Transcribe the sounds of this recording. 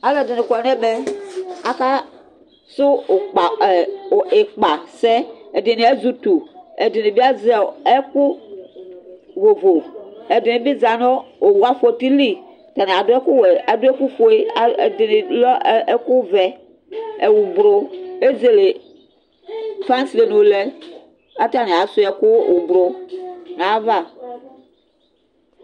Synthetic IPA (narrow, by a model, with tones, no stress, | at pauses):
a˨˦lɛ˦˨de˨ne˨kɔ˨n˦ɛ˦be˦a˨ka˦ | sʊ˦o˨k͡pa˨e˨k͡pa˨sɛ˦e˨de˨nĩ˨e˦zu˦tu˨e˨de˨ni˨bi˦a˦zɛ˨e˦ku˦ | vo˨vo˨e˨de˨nẽ˨bi˦za˨no˦o˨wu˨˦a˦fe˨ti˦li˦ | t̪a˨nɛ̃˨a˨do˦ɛ˦ku˦we˨a˦do˦e˦ku˦fo˦e˦a˨˦e˨de˨ni˨lɔ˦e˦ku˦vɛ˨ | e˨wu˨bɾo˦e˦d͡ze˨le˨ | fa˦si˨le˨nũ˨lɛ˦ | a˦t̪a˦nẽ˨a˨˦su˦ɛ˨ku˦wʔu˨bɾo˦nã˨˦va˦˨